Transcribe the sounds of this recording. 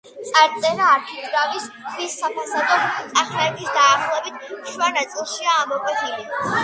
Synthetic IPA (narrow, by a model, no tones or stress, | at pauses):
t̪sʼaɾt̪sʼɛnaːɾt̪ʰiɾavisʰwisːapʰasad̪ɔt̪sʼaχɾaɛt̪ʰisd̪aːχlˠɔɛbit̪ʰʃvanat̪sʼilˠʃiaːmɔkʼwɛt̪ʰili